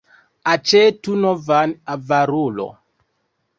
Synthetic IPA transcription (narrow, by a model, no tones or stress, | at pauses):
at͡ʃetunɔvanavaɾulo̰